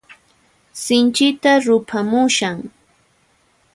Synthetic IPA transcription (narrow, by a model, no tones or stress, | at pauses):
sɪnt͡ʃɪt̪aɾʊpʰamʊʃaŋ